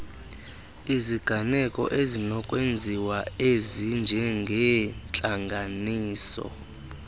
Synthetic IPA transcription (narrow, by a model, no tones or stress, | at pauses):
iziɡ̥ʱanɛkʼɔ̰ʔezinɔkʼwend͡zʱiwaezind͡ʒʱɛŋɡʱɛnt͡ɬʼaŋɡʱaniːsɔ̰